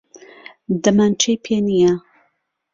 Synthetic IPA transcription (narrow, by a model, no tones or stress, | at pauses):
d̪ɐmant͡ʃʰejpʰenija